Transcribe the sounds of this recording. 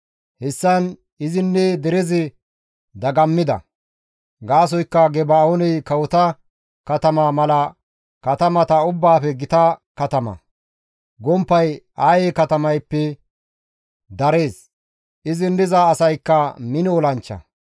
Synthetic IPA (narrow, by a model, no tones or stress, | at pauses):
hɛsːɐn | ɪzɪnːɛd̪ɛɾɛzɪ | d̪ɐɡɐmːɪd̪ɐ̰ | ɡaːs̬ɔjkːɐɡɛbaːonɛjkɐwɔt̪ɐ | kɐt̪ɐmaːmɐlɐ | kɐt̪ɐmɐt̪ɐʊbːaːfɛɡɪt̪ɐkɐt̪ɐmɐ̰ | ɡɔmpːɐjaːjeːkɐt̪ɐmɐjpːɛ | d̪ɐɾe̞ːs | ɪzɪnːɪzɐːsɐjkːɐmɪnɪɔlɐnt͡ʃːɐ̰